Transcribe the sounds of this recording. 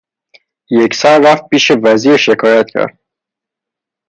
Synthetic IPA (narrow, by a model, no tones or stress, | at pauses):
jecsɒɾːæft̪̚piːʃevæziːɾʃekʰɒːjæt̪cʰæ̰ɾd̪̥̚